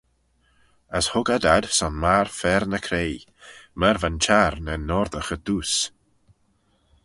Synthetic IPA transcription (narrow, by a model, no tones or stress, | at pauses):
əshʊɡad̪ad̪̥sɔnmaɹfɛɾnəkʰɾej | məɾvant͡ʃaɾnənɔɾðəxəd̥̪uːs